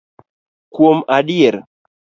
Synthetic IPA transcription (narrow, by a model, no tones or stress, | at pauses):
kwomaɗiɛɾ